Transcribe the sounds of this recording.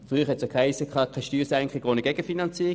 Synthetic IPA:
fʁyːχhɛtsjokʰasəkʰɑːkʰaɪʃtyːsɛŋkχɪɡʋonəɡ̥ɛɡ̥əfinɑnt͡siː

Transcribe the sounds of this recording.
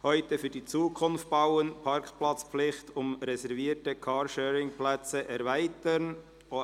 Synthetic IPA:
hɔʏtəfyːdiːt͡suːkʰʊnft̚b̥ɑʊənpʰɑɾkplɑt͡spflɪχtʊmɾɛsɛɾviːtəkʰɑːɾʃœːɾɪŋplɛt͡səʔɛɾvæɪtən | o

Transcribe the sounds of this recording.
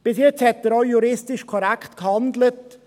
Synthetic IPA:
b̥ɪsjɪt͡shɛt̚d̪əɾoʊjuɾɪstɪʃkʰɔɾɛkʰtkhɑndlət

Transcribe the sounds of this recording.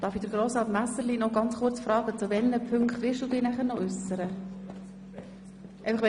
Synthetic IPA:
d̥ɑːɾfid̥əɾɡ̥ɾoːsɑːt̪mæsəɾlinɔɡɑnt͡sχʊrt͡sfɾɑːɡət͡suvɛlnəpʰʏŋkχt̪vʋɪlˠʃd̥uːdɪːnæχəɾnɔʔʏsəɾə | ʔeɪfɑχʋ

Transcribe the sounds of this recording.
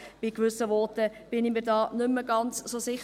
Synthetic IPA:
b̥ɪkʋʏsəʋɔtəb̥ɪnimiːɾdɑːnʏmːəɡɑnt͡ssosɪχ

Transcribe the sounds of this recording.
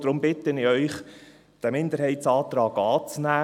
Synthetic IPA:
d̥ɾʊmbɪtənɪœʏχ | d̥æmɪnd̪əɾɦɛɪtsɑːt̪ɾɑːɡɑːt͡snæː

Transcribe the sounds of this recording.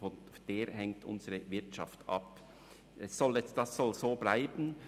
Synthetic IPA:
ɔnfd̥eːɾɦɛŋtʔʊ̰nzəʁəvɪɐtʃɑftʔɑ̰p | ʔɛsːɔljɛsd̥ɑsːɔlzoːblaɪbn̩

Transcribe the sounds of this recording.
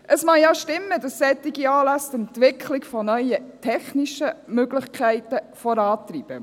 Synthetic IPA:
ʔəsmɑjaʃtɪmːədɑsːɛt̪ːɪɡiɑːlæst̪ɛntʋɪkʰlɪkfɔnœʏətʰɛχniʃəmøɡlɪχkʰæɪtə | fɔɾɑːtɾiːb̥ə̰

